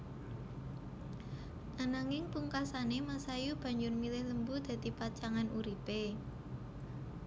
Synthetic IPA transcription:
ʔanaŋɪŋpuŋkasanemasajub̥ä̤ɲd͡ʒʊrmilɪhləmbud̪̥ä̤d̪̥ipat͡ʃaŋanʔuɾipe

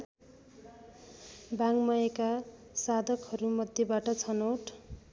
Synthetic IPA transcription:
baŋmʌjeka | sad̪ʱʌkhʌɾumʌd̪ʱjebaʈʌt͡sʰʌnoʈ

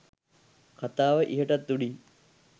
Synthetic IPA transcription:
kʰɐt̪aːʋəʔiɦəʈɐt̪ːuɽi

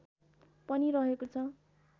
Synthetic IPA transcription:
pʌniɾʌɦekot͡sʰʌ

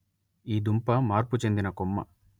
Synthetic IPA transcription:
iːd̪umpɐmaːɾput͡ʃe̞nd̪inɐkomːɐ̰

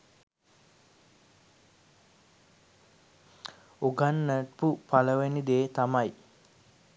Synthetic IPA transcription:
oɡanːəʈpupaləʋenid̪eːt̪amaj

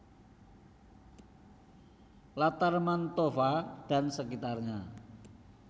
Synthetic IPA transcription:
lat̪armant̪ofad̥a̤nsəkit̪arɲa

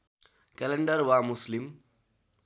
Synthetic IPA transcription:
kɛleɳɖəɾwamuslim

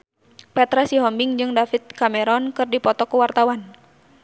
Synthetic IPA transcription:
pɛt̪ɾasiɦɔmbɪŋd͡ʒɨŋdafit̪̚kamɛɾɔnkɨrdipɔt̪ɔkuwart̪awan

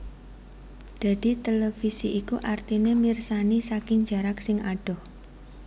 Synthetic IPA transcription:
d̪̥a̤d̪̥i̤t̪elefisiʔːkuʔart̪inemirsanisakɪŋd͡ʒa̤ɾaksɪŋaɖ̥ɔh

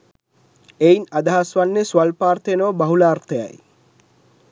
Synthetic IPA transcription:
einad̪ɐɦasʋanːesuʋalpaːrt̪ənoːbɐɦulaːrt̪əja̰j

